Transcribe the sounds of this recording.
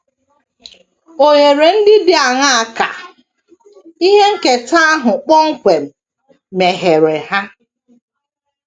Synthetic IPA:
o˨ɲe˨ɾe˨n̩˦dɪ˦bɪ˦a˨ŋa˦a˦˨ka˨ | i˦ɦe˦ŋ̩˦ke˨ta˦a˦ɦʊ˨k͡pɔ˦ŋ̩˦kʷe˨m̩˨ | me˨ɦe˨ɾe˨ɦa˦

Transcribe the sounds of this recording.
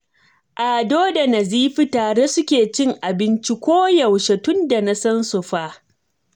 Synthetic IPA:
ʔa˨doː˦da˨nɐ˨ziː˦ɸi˦taː˨ɽe˦sʊ˦kʲeː˨t͡ʃɪ˦ŋʔa˨bɪ˦nt͡ʃi˦kʷoː˦jɐ˨wʃe˨tʊ˦nda˨na˦sɐ˦nsʊ˨ɸa˦ʔ

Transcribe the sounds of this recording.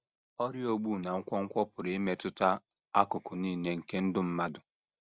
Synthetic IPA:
ɔ˦ɾɪ˦o˦ɡ͡bu˦˨na˨ŋ̩˦kʷɔ˦ŋ̩˦kʷɔ˦pʊ˨ɾme˦tʊ˦ta˦ | a˦kʊ˨kʊ˨niː˦˨ne˦ŋ̩˨ke˦n̩˦dʊ˦m̩˦ma˦dʊ˨

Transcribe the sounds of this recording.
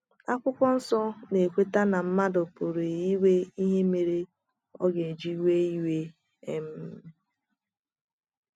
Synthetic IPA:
a˦kʷʊ˦kʷɔ˦n̩˦sɔ˦ne˨kʷe˦ta˦na˨m̩˦ma˦dʊ˨po˨ɾe˨i˦we˦i˦ɦe˦me˨ɾe˦ | ɔ̰˦ɡe˨d͡ʒi˦we˦i˦we˦ | e˦m̩˦

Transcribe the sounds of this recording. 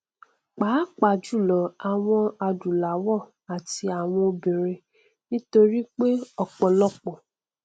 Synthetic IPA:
k͡paː˨˦k͡pa˨d͡ʒu˦˨lɔ˨˦a˨w̃ɔ̃˧a˧du˨la˨˦wɔ˦˨ | a˨ti˧a˨w̃ɔ̃˧be˨ɾe˧ | nĩ˦to˧ɾi˦k͡pe˦ɔ˨k͡pɔ˨lɔ˧k͡pɔ˨

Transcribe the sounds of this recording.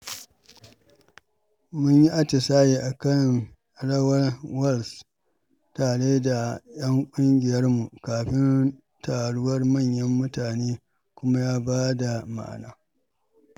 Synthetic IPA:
mʊ˦ɲji˦ʔa˦tɪ˨saː˦jiː˨ʔa˨kɐ˦n | ɽɐ˦wɐ˦rwɐ˦ls | taː˨ɽe˦da˨jɐ˦ŋkʷʼʊ˦ŋɡʲɪ˨jɐ˦rmu˨kaː˨ɸɪ˦n | taː˨ɽʊ˦wɐ˦rmɐ˦˨ɲjɐ˦mːʊ˦taː˨neː˦ | kʷʊ˦ma˦jaː˦baː˦da˨ma̰˨ʔa̰˨naː˦

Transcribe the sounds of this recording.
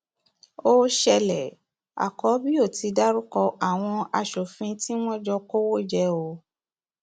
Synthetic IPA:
o˦ʃɛ˧lɛ˨ | a̰˨kɔ˨˦bi˦o˦˨ti˧da˦ɾu˦kɔ˧a˨w̃ɔ̃˧a˧ʃo˨fĩ˧ti˦w̃ɔ̃˦d͡ʒɔ˧ko˦wo˦˨d͡ʒɛ˨˦o˨˦

